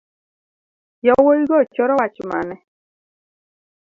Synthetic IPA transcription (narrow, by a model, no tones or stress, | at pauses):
jɔwoiɡɔt͡ʃɔɾɔwat͡ʃima̰nɛ